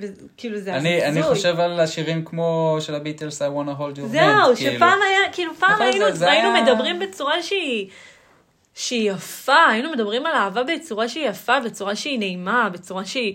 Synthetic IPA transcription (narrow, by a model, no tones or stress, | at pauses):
ve | kiːluzeanianiχuoʃevalaʃiʁimkmo̞ʃelabit̪elsajwonaɦoldozeuʃepaːmajakiːlupaːmainuainumedabʁimbe̞t͡suʁaʃei | ʃeijafaːjinume̞dabʁimalaːvabet͡suʁaʃeijafabe̞t͡suʁaʃeine̞imabe̞t͡suʁaʃei